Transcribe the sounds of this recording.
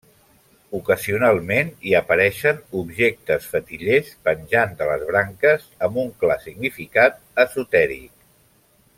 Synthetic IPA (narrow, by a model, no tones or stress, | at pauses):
ukəziunalˠmeniəpəɾɛʃənubʒek̚t̪əsfət̪iʎespənʲʒand̪ələzβ̞ɾaŋkəzəmbuŋklasiɡnifikat̪̚ | əzut̪ɛɾḭk